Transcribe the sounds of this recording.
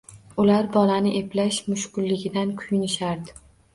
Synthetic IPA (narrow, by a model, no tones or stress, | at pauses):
ʊlaɾbɒlanɪʔe̞plaʃmʊʃkʊlːɪɡʲɪd̪ankʰʊjʊnɪʃaɾd̪ɪ̥